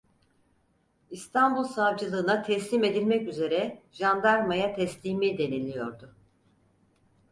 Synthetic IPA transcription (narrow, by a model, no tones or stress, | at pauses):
ist̪ʰambulˠsavd͡ʒɯlˠɯːnat̪ʰɛslʲime̞d̪ilʲmɛcyze̞ɾɛʒand̪aɾmajat̪ʰɛslʲiːmid̪e̞nilʲijo̞ɾd̪ʊ